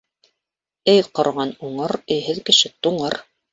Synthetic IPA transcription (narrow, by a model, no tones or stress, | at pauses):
ɘjqŏɾʁɑnuɴɤɾɵ̆jɦɘðkɘ̆ʃɘt̪uɴɤɾ